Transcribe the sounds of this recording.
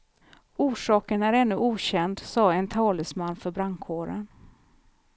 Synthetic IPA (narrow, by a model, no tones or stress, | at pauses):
uːʂɑːkənæɾɛnːɵʔuːɕɛnd̪sɑːɛnt̪ʰɑːləsmanːfœɾbɾaŋkʰoːɾə̰n